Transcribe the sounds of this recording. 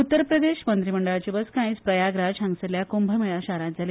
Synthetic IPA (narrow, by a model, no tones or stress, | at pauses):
ut̪ːəɾpɾəd̪eɕmənt̪ɾiməɳɖəɭat͡ɕibəskãĩːt͡spɾəjaɡɾad͡ʑɦãŋɡseljakombʱəməjaɕaɾat̪d͡zale